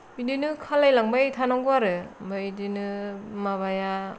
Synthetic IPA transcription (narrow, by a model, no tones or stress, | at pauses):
bidinɯkʰalajlaŋbajtʰanaŋɡɯwaɾɯbajdinɯmaβaja